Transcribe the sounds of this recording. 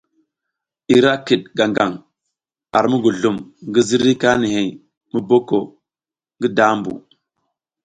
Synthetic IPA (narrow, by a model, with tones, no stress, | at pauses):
i˨ɾa˦ki˨t̚ɡa˨ŋɡa˨ŋ | a˨ɾmu˦ɡu˨ɮu˨mŋɡi˦zi˦ɾi˦ka˦ni˨ɦe˨j | mu˦bo˦ko˨ | ŋɡi˦da˦mbṵ˨